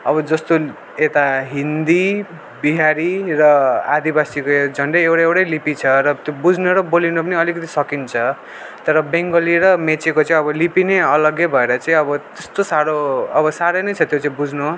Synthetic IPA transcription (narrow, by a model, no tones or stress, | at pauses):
ʌbʌd͡zʌst̪o | et̪aɦind̪i | biɦaɾirʌad̪ibasikod͡zʱʌɳɖʌjewɽaewɽʌjlipit͡sʰʌɾʌt̪jobud͡zʱnoɾʌbolinopʌniʌlikʌt̪isʌkint͡sʰʌ | t̪ʌɾʌbeŋɡʌliɾʌmet͡sekot͡saĩʌbʌlipineʌlʌɡjebʱʌeɾʌt͡sãĩʌbʌt̪est̪osaɾoʌbʌsaɾʌjnʌjt͡sʰʌt̪jot͡sãĩbud͡zʱno